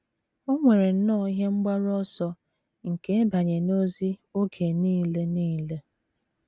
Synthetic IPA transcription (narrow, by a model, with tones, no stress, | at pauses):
o˦ŋʷe˨ɾe˨n̩˦nɔː˦˨i˦ɦe˦ŋ͡m̩˦ɡ͡ba˦ɾɔ˦sɔ˦ | ŋ̩˨ke˦e˦ba˨ɲe˨no˦zi˦o˦ɡe˨niː˦le˦niː˦le˦